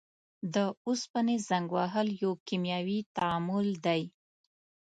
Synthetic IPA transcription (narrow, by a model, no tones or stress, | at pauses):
d̪əʊspənezaŋɡwɑɦəljokimjɑwit̪aɑmʊld̪aj